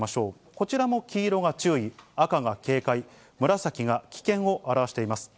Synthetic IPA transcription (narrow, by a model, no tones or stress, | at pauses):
maɕo̞ː | ko̞t͡ɕiɾamo̞kʲiːɾo̞ɡat͡ɕɨːiakaɡake̞ːkai | mɯ̟ɾasakʲiɡakʲi̥kẽ̞ɰ̃o̞ʔaɾaβaɕi̥t̪eimasɨ̥